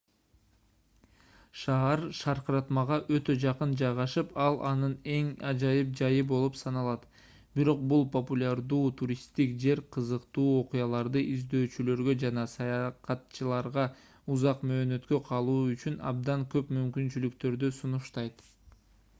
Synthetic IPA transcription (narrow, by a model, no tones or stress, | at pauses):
ʃɑːɑɾʃɑɾqɾɑt̪mɑʁɑʔø̞t̪ø̞d͡ʒɑqɯnd͡ʒɑjʁɑʃɯpɑlˠʔɑnɯne̞ŋɑd͡ʒɑjɯp̚d͡ʒɑjɯbo̞lˠupsɑnɑlˠɑt̪ | biɾo̞q̚bulˠpopulʲaɾd̪uːt̪ʰuɾʲist̪ikd͡ʒe̞ɾqʰɯzɯqt̪uːo̞qʊjɑlˠɑɾd̪ɯʔizd̪ø̞ːt͡ʃylø̞ɾɡø̞d͡ʒɑnɑsɑjɑqɑt̪t͡ʃɯlˠɑɾʁɑ | uzɑqmø̞ːnø̞t̪kø̞qʰɑlˠuːyt͡ʃynɑ̰bd̪ɑŋkø̞pmymkynt͡ʃylykt̪ø̞ɾd̪ysunuʃt̪ɑjt̪